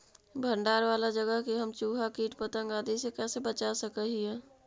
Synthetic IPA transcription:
bʱə̃ɳɖaːɾʋaːlad͡ʒəɡəɦkiɦəmt͡ʃuːɦakiːʈpət̪ə̃ŋɡaːd̪isekɛːsebət͡ʃasəkəɦiɦɛ̃ː

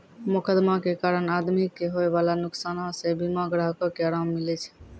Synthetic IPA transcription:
mʊkəd̪makekaɾənad̪mikːeɦoebalanuksanɔ̃sebimaɡɾaɦkɔkeaɾamːilɛt͡ʃʰɛ̥

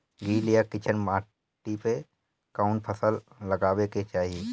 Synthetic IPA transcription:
ɡiːlijakɪt͡ʃʰənmaː | ʈipe | kaːʊɳpʰəsəlː | əɡaːweket͡ʃaːɦie

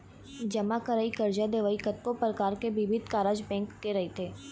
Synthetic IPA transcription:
d͡ʒɐmakəɾaːikɐɾd͡ʒad̪eːʋaːikɐt̪kopɾəkaːɾkeʋɪʋɪd̪̚ʱkaːɾaːd͡ʒbɛ̃ːŋkːeɾɐɦet̪ʰeː

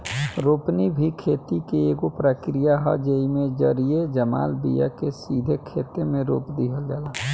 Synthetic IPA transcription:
ɾoːpnibʱikʰeːt̪ikeeːɡopɾəkɾijaɦɔ̰d͡ʒeimẽd͡ʒəɾied͡ʒəma̰ːlbḭja̰kesiːd̪ʱekʰeːt̪emẽɾo̰ːpd̪iɦəld͡ʒaːla

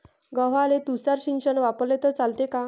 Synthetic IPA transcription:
ɡəʋ̤alet̪usaɾɕinɕənʋapəlet̪ət͡salt̪eka

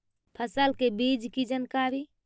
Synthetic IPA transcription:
pʰəsəlkebid͡ʒkid͡ʒənkaɾi

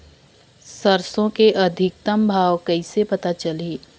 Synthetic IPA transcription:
sɐɾsõkeʔɐd̪ʱɪk̚t̪əmbʱaːʋkɐisepɐt̪at͡ʃɐleː

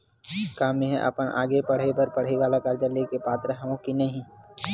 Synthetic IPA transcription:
kaːmẽɦɛʔɐ̰pənʔa̰ːɡepɐɽ̤epɐɾpɐɽ̤eʋaːlakɐɾd͡ʒəlekepaːt̪ɾəɦõkinɐɦĩ

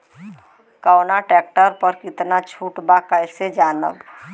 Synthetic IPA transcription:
kəːnaʈɛːk̚ʈəɾpəɾkɪt̪nat͡ʃʰuːʈbakəɪsed͡ʒaːnə̰b

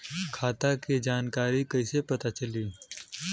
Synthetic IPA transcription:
kʰaːt̪akid͡ʒaːnkaːɾikɐisepɐt̪at͡ʃɐliː

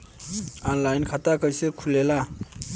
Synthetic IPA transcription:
anlajnkʰat̪akʌjsekʰulela

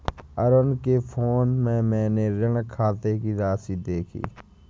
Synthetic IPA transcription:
əɾənkepʰoːnmɛ̃ːmɛ̃ːneɾəŋkʰːaːt̪ekiɾaːsid̪eːkʰḭː

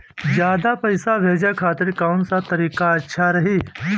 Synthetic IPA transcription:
d͡ʒjaːd̪apɐɪsabʱeːd͡ʒakʰaːt̪ɪɾkaːʊnsat̪ɐɾiːkaɐtːʃʰaɾɐɦiː

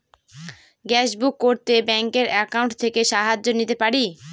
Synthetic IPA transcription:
ɡɛʃbukːoɾt̪ebɛŋkeɾɛkauɳʈt̪ʰekeʃaɦad͡ʑːonit̪epaɾi

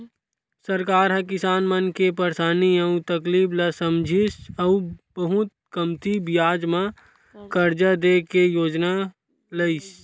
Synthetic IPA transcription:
səɾkaːɾɦə̃kɪsaːnmənkepəɾsaːniəũt̪əkliːbləsəmd͡ʒʱisəubəɦʊt̪̚kəmt̪ibɪjaːd͡ʒmã | kəɾd͡ʒad̪ekejoːd͡ʒna | ləɪs

